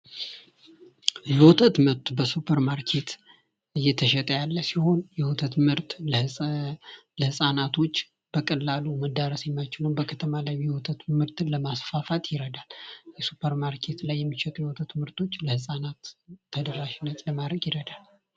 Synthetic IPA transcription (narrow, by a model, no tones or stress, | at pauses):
jɛwɔt̪ʰət̪mɨɾt̪ʰubəsupʰəɾmaɾkʰe̞t̪ | ɨjːɛt̪ʰəʃɛt̪ʼəjalːəsiho̞njɛwɔt̪ʰət̪mɨɾt̪ɨ | ləhɨsʼanat̪ʰo̞t͡ʃː | b̥əkʼəlːaluməd̪aɾəsjɛmːat͡ʃɪnəwbəkʰət̪ʰəmalajjɛwɔt̪ʰət̪mɨɾt̪ləmasfafat̪jɪɾəd̪aljɛsupʰəɾmaɾkʰe̞t̪lajːɛmːiʃɛt̪ʼjɛwt̪ʰət̪mɨɾt̪ʰo̞t͡ʃːləhɨsʼanat̪ʰːəd̪əɾaʃɪnːət̪ləmad̪ɾəɡjɪɾəd̪al